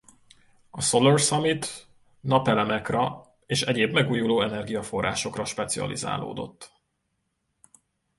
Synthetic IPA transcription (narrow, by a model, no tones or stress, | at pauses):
ɒso̞lorsɒmit̪ | nɒpɛlɛmɛkrɛ | eːʃɛɟeːbmɛɡuːjuloːɛnɛrɡijɒfo̞rːa̰ːʃo̞krɒʃpɛt̪siɒ̰lḭza̰ːlo̰ːd̪o̞̰t̪ː